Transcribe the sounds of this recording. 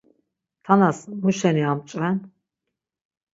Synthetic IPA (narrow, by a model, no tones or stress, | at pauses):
t̪ʰanasmuʃɛniamt͡ʃʼvɛn